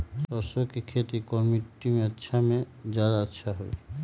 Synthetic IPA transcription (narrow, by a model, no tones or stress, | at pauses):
sɔsɔkikʰet̪ikɔmiʈimẽətːʃʰamẽd͡ʒad̪aətːʃʰaɦo̰ḭ